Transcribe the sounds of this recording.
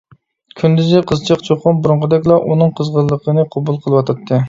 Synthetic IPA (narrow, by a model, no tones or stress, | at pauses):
kʲʰynd̪yzɪqʰəzt͡ʃʰɑqt͡ʃʰoqʊnbuɾʊɴʁəd̪ɛkʲlˠɑʔunɨŋqʰəzʁəlˠːəqʰənɨqʰɑbulˠqʰəlˠɨwɑt̪ʰɑt̪ʰːɨ